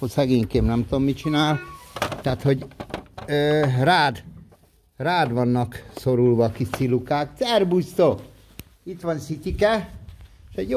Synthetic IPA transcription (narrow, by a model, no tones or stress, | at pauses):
osɛɡeːɲkeːbnɛmt̪ud̪omːit͡ʃinaːlt̪aːt̪ho̞ɟ | øraːd̪ | raːd̪ʋɒnːɒkso̞ɾulʋɒkisilukaːktɛrbust̪o | it̪ʋɒnsit̪ikɛ | ʃɛɟ